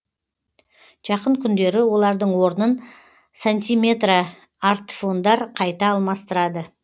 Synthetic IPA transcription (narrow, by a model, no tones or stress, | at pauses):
ʒ̥ɑqəɴkʲʰʏnd̪e̞ɾɪwo̞lˠɑɾd̪əɴwo̞ɾnən | sanʲt̪ʲijme̞t̪ra | aɾt̪fo̞nd̪ɑɾqʰɑjt̪ɑːlˠmɑst̪əɾɑd̪ə